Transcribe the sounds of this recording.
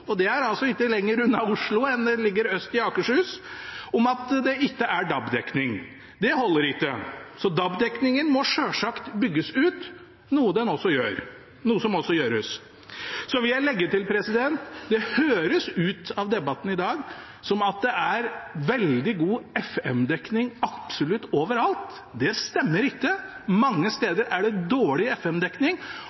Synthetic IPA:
ɔd̪ɛæɾɑlsɔɪkːəlɛŋːəɾʉnːɑʊʂɭʊɛnd̪ɛlɪɡːəɾœst̪ɪɑːkəʂʉːsɔmɑt̪d̪ɛʔɪkːəʔæɖɑbd̪ɛknɪŋ | d̪ɛhɔlːəɾɪkːəsɔd̪ɑbd̪ɛknɪŋənmɔʂøːʂɑkt̪bʏɡːəsʉːt̪ | nuːəd̪ɛnɔsːɔjø̰ːɾ | nuːəsɔmɔsːɔjøːɾəs | sɔʋɪjæɪlɛɡːəʈɪlpʰɾɛsɪd̪ɛnt̪d̪ɛhøːɾəsʉːt̪ɑʋd̪ɛbɑt̪ːn̩ɪd̪ɑːɡ | sɔmɑt̪̚d̪ɛʔæɾʋɛld̪ɪɡuːɛfɛmd̪ɛknɪŋɑpsʊlʉt̪ːoːʋəɾɑlt̪ | d̪ɛst̪ɛmːəɾɪkːəmɑŋːəst̪eːd̪əɾʔæɖɛd̪oːɭɪɛfɛmd̪ɛknɪŋ

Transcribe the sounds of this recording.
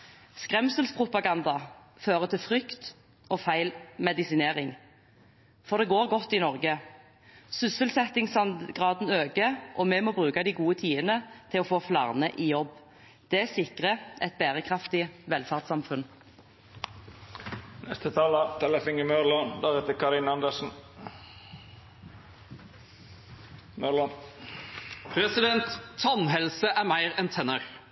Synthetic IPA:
skʁɛmsəlspʰʁʊpɑɡɑnd̪ɑ | føːʁət̪ʰɪlfʁʏkt̪ | ɔːfæɪlmɛd̪ɪsɪneːʁɪŋ | fɔʁd̪ɛɡoːʁɡɔt̪ːɪnɔʁɡə | sʏsəlsɛt̪ɪŋsɑnɡʁɑːd̪n̩øːɡəʔɔmɛmoːbʁʉːkɑd̪iɡuːət̪ʰiːənət̪ʰɪlɔfoːflɑ̰ːʁnəʔiːjɔbː | d̪̥ɛæsɪkʁəʔɛt̪̚bæːʁəkʰʁɑft̪ɪʋɛlfɑʁd̪sɑmfʉn | nɛ̰st̪ət̪ʰɑːlət̪ʰɛləfɪŋəmœɾlɑnd̪æɾɛt̪əkʰɑɾɪnɑnd̪əsn̩ | mœlɑn | pʰɾɛsɪd̪ɛnt̪ʰːɔnɦɛlsəʔæɾmæɪɾɛnt̪ʰɛnəɾ

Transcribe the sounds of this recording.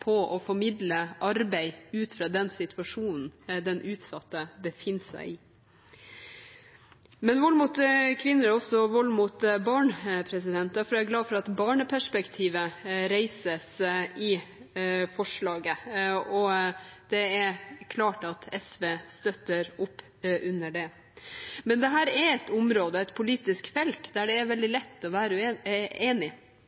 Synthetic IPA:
pʰɔɔfɔɾmɪd̪ləʔɑɾbæɪʉːt̪fɾɑːd̪ɛnsɪt̪ʰʉɑʂuːnn̩d̪ɛnʔʉːt̪sɑt̪ːəbəfɪnːsæ̰ɪɪ | mɛnʋɔlmuːt̪kʰʋɪnːəɾæɾɔsɔʋɔlːmuːt̪bɑːɳpʰɾɛsɪd̪ɛnt̪ɑfɔɾæɡlɑːdfɔɾɑt̪bɑːɳəpʰæʂpɛkt̪ʰiːʋəɾæɪsəsɪ | fɔʂɭɑːɡəɔd̪̥ɛæɾkʰlɑːʈɑt̪ʰɛsʋeːst̪œt̪ːəɾʊpː | ʔʉnːəɖɛ | mɛnd̪ɛɦæːɾɛɾɛt̪ʊmɾoːd̪əɛt̪pʰʊliːt̪ɪskfɛlt̪d̪æɖɛːʋɛld̪ɪlɛt̪ːɔʋæːɾəʉeːnɪ

